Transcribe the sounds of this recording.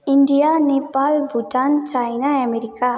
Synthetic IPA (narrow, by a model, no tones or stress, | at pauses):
iɳɖijanepalbʱuʈant͡ʃajnaɛmeɾika